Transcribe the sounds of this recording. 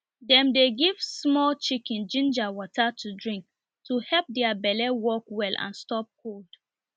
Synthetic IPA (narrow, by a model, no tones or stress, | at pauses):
dɛ̃mdeɡiv̥smɔlt͡ʃikĩnd͡ʒĩnd͡ʒawɔtatʰudɹĩŋk̚ | tʰuhɛlp̚dɛabɛlɛwɔkwɛlʔã̰nstɔp̚kʰold̥